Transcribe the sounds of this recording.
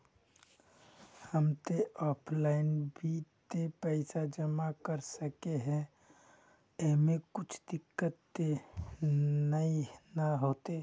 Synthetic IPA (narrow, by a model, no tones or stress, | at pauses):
həmt̪eʔɔːpʰlaɪnbʱit̪epɛɪsad͡ʒəmakəɾsəkeɦɛ̃ | eɦmekʊt͡ʃʰd̪ɪkːət̪ːe | nəinaɦoːt̪e